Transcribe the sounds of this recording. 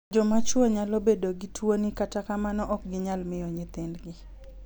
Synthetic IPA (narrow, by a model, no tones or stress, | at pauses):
d͡ʒɔmat͡ʃwoɲalobedoɡɪtʰwonikatakamanɔʔɔk̚ɡɪɲalmɪjɔɲɪt̪ɪnɡɪ